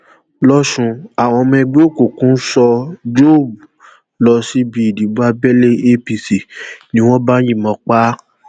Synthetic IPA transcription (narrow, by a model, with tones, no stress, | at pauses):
lɔ˦ʃũ˧a˨w̃ɔ̃˧mɛ̃˧ɡ͡be˦o˦˨ko˦˨kũ˨˦sɔ˧d͡ʒo˦˨bu˨ | lɔ˧si˦bi˧i˨di˨˦bu˦a˧bɛ˦le˦e˦pi˧si˨nĩ˦w̃ɔ̃˦ba˦j̃ĩ˦˨mɔ̃˧˦k͡pa˦